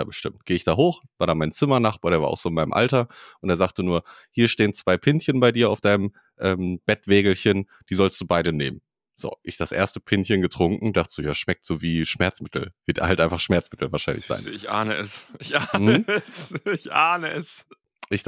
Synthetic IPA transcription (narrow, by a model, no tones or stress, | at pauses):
a̰ːbəʃtɪmt̚ɡ̥eːəɪçd̥aːɦoːxv̥aːɐɾaːmaɪnt͡sɪmɐnaχb̥aːɾeːɐa̰ɐ̰ʔaʊxz̥oːɪnmaɪnə̰mʔa̰ltɐʔʊntdeːzaːktənuːɐhiːɐʃteːənt͡sv̥aɪpʰɪnçənbaɪdiːɐa̰ʊfd̥aɪnəm | ʔɛːmb̥ɛtv̥eːɡl̩çən | d̥iːzɔlst̚d̥uːbaɪɾəneːmən | z̥o̰ːʔɪçd̥asʔḛɐstəpʰɪnçənɡətʁ̥ʊŋkŋ̩daχtd̥uːjaːʃmɛk̚tz̥oːviːʃmɛɐt͡smɪtʰl̩v̥ɪɐtḛɐhaltʔaɪnfaχʃmɛɐt͡smɪtl̩vaːɐʃaɪnlɪ̰çz̥a̰ɪnɪçʔaːnəʔɛsʔɪçʔam̩həɛsɪçʔaːnəɛs | ʔɪç